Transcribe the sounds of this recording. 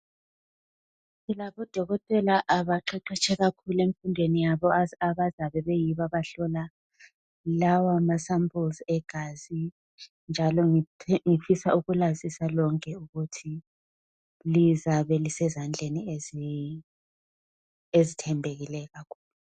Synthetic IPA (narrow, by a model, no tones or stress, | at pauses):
ilaβɔd̥ʱɔɣɔtʼɛlaʔːβaǃɛǃɛt͡ʃʰɛɣakʰuleɱfundʱwenijaβɔaβazaβɛβɛjiβaβaɬɔla | lawamasampʰʼulzɛɡ̥ʱazi | nd͡ʒʱalɔŋiŋifisauɣulazisalɔŋkʰʼɛuɣutʰi | lizaβɛlisɛzand͡ɮʱeniezi | ezitʰɛmbʱeɣilɛɣakʰu̥ːlu